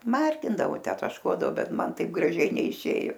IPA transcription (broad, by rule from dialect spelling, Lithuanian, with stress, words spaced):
ˈmɐrʲɡʲɪndɐʋoː ˈtʲæː tɐʃˈkuɔdɐʋoː ˈbʲɛt ˈmɐn ˈtɐɪp ɡrɐˈʒʲɛɪ nʲɛɪˈʃʲeːjʊ